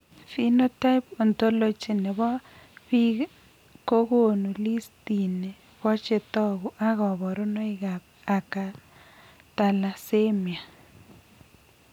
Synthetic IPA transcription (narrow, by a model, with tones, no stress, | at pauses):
fi˦no˦ta˦ɪpɔ˨nto˦lo˦t͡ʃi˨nɛ˨βɔ˦βi˦ | ko˦ɣo˦nu˨li˦sti˨nɛ˨ | βɔ˦t͡ʃe˨tɔ˦ɣu˨ʔa˦ɣɔ˨βɔ˨ɾʊ˦nɔ˦ɪ˦ɣa˨p̚ | a˨ka˨ | ta˨la˨se˦mi˨a˨